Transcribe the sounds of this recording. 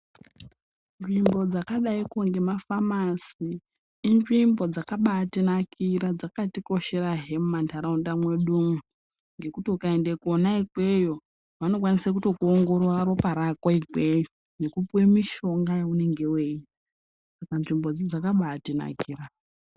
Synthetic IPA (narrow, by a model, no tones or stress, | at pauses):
nʐimbo̞d͡zakaɗaikoŋɡe̞mafamasiː | nʐimbo̞d͡zakaɓaːtinakʰiɾad͡zakatiko̞ʃe̞ɾaɦe̞mumantʰaɾaundamwe̞ɗumu | ŋɡe̞kutiukae̞ndekuonaiɡwe̞jo̞ | ʋano̞k̬wanisak̬utokuoŋɡo̞ɾaɾo̞paɾakwaikwe̞jo | nekupuwe̞miʃo̞ŋɡajaune̞ŋɡe̞we̞i | sakanʐimbo̞d͡zid͡zakaɓatina̰kiːra